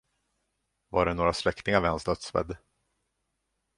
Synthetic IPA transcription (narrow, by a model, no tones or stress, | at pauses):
vaɖɛnoːɾaslɛkt̪ɪŋaɾvɛnst̪œt̪svɛ̰d̪ː